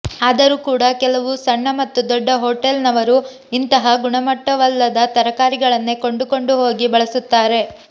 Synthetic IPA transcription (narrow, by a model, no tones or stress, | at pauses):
aːd̪ɐɾuːkuːɽɐkɛlɐʋusɐɳːɐmɐt̪ːud̪ɔɖːɐɦoːʈelnɐʋɐɾu | int̪ɐɦɐɡuɳɐmɐʈːɐʋɐlːɐd̪ɐt̪ɐɾɐkaːɾiɡɐɭɐnːeko̞ɳɖuko̞ɳɖuɦo̞ːɡibɐɭɐsut̪ːaːɾe̞